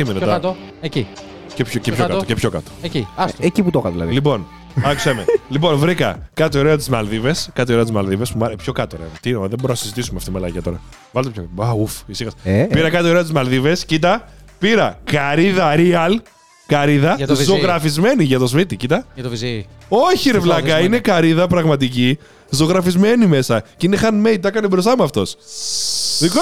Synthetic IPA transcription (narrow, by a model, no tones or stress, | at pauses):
iminet̪oeci | cepçocepçotkɐocepço̞kɐt̪o̥eciɐst̪eciput̪oxɐðilɐ̰ðḭlipo̞n | ɐku̥semelipo̞nvɾikɐ̰kɐt̪ioɾet̪izmɐlðive̞skɐt̪ioɾeɐt̪izmɐlðivespumɐpço̞kɐt̪oɾeðot̪inoðeboɾunɐsizit̪isumeɐft̪imɐlɐʝɐt̪o̞ɾɐ | vɐlet̪epçokɐt̪oɐufisixɐspiɾɐkɐt̪io̞ɾeɐt̪izmɐlðive̞scit̪ɐpiɾɐkɐɾiðɐɾiɐl | kɐɾiðɐzo̞ɣɾɐfizme̞niʝɐt̪o̞zmit̪icit̪ɐto̞çiɾevlɐkɐine̞kɐɾiðɐpɾɐɣmɐt̪ici | zo̞ɣɾɐfizme̞nime̞sɐcinexɐnmej̪̚ɐkɐnebɾost̪ɐmuɐft̪o̞s | ðik